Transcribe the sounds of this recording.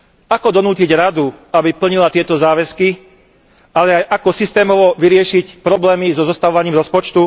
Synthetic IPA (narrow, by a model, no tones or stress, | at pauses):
akɔd̪ɔnuːciɟɾad̪uabipl̩ɲilat̪ɪɛt̪ɔzaːʋɛski | alɛajʔakɔsist̪ɛːmɔʋɔʋiɾɪɛʃicpɾɔblɛːmizɔzɔst̪aʋɔʋaɲɪiːmɾɔspɔt͡ʃt̪u